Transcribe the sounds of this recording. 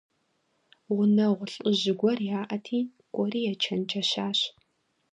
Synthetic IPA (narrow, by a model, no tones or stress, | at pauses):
ʁʷʊnɐʁʷʊɬʼɨʑɪɡʷɔrjaːʔɐtʰiːn | kʷʼɔriːjɛt͡ʃʰɐnt͡ʃʰʼɐɕaːɕ